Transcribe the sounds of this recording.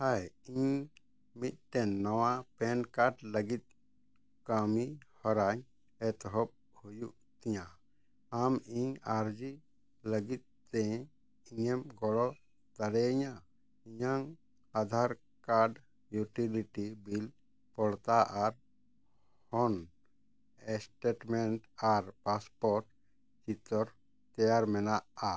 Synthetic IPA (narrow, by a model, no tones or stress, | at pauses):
hajiɲ | mit̪̚ˀt̪ɛnːɔwapɛnkaɾɖləɡit̪̚ | kamihɔɾaɲ | ɛt̪ɦɔp̚ | hujuʔ | t̪ɛɲa | amiɲaɾd͡ʒi | ləɡit̪̚ːɛ̃ | iɲɛmɡɔlɔ | d̪aɾɛɲa | iɲaŋ | ad̪ʱaɾ | kaɾɖ | juʈiliʈibil | pɔɽt̪aʔaɾ | hɔn | ɛsʈeʈmɛnʈaɾpaspɔɾʈ | t͡ʃit̪ɔɾ | t̪ɛjaɾmɛnaʔa